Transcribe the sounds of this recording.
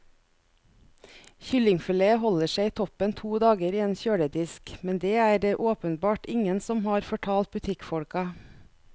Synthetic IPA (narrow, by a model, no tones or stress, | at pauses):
çʏlɪŋfɪleːəhɔləʃeɪːt̪ʰɔpənt̪ʰuːd̪ɑːɡəɾiːeːnçøːɽəd̪ɪskmɛnd̪eːæːɖeːʔoːpənbɑːʈɪŋənsɔmhɑːɾfɔʈʰɑːlt̪̚bʉt̪ʰɪkfɔɽkɑ